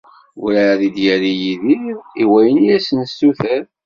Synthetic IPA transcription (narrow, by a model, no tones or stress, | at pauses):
ṵɾæðid̪jæɾijiðiɾiwæjənijæsənst̪uθæɾ